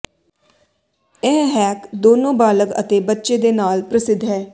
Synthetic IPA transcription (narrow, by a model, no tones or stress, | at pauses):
ɛ̃ːɦɛːkd̪oːnõːbaːləkə̰t̪eːbətːʃeːd̪eːnaːlpɾəsɪd̪ʱɦɛː